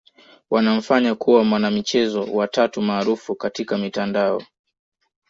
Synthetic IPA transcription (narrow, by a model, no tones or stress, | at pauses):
wanam̩faɲakuwamwanamit͡ʃɛzɔwatatumaːɾufukatikamitandaɔ̰